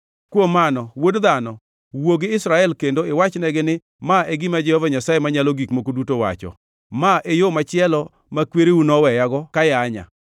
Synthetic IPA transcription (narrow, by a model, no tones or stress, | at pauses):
kwomanɔwodd̪anɔ | woɡɪɪsɾaɛlkendoɪwat͡ʃnɛɡɪnɪ | maeɡɪmad͡ʒɛhɔvaɲasajemaɲaloɡikmokodutowa̰t͡ʃɔ̰ | maʔejomat͡ʃɪɛlɔ | makweɾeunɔwɛjaɡɔkajaɲa̰